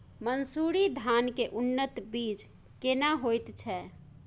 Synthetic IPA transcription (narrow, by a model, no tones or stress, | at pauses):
mənsuɾid̪ʱankeʔunːət̪bid͡ʒ | kenaɦojt̪t͡ʃʰɛ